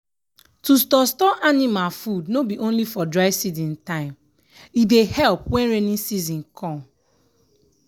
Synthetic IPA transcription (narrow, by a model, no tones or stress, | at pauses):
tustɔstɔʔanimalfudnobiʔõnlifɔdɹaɪsizĩntãɪ̃m | idehɛlpwɛ̃nɹenĩnsizĩnkʰɔ̃m